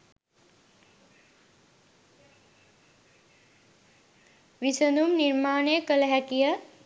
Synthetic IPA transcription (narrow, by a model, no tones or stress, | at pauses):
ʋisənumniɾmaːnekəlɐɦɛkijə